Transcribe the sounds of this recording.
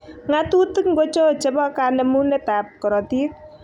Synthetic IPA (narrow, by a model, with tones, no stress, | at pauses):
ŋatu˦tɨ˦kŋɡo˦t͡ʃo˦t͡ʃe˦bɔ˦ka˨nɛ˨mu˦nɛ˦ta˨p̚kɔ˨ɾɔ˨ti˦k̚